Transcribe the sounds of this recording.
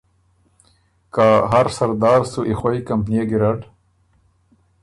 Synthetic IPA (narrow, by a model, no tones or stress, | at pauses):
kaːɦaɾsɐɾd̪ɑːɾsuʔixwajkɐmpnieɡiɾaɖ